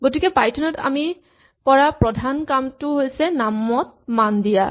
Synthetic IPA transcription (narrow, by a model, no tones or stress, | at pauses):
ɡotikɛpajtʰɔnɔta̰mi | kɔɹapɹɔdʱankamtʊɦojsɛnamɔt̚mandija̰